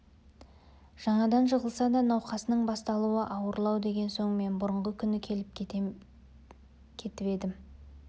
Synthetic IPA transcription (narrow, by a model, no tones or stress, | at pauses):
ʒ̥ɑɴɑd̪ɑnʒəʁəlˠsɑd̪ɑnɑwqɑsənəɴbɑst̪ɑlˠuəʔɑwəɾlˠɑwd̪e̞ɡʲe̞nso̞ɴme̞nbʊɾəɴʁəkʲʰʏnɪkʲʰe̞lɪp̪ | kʲʰe̞t̪ɪpe̞d̪ɪm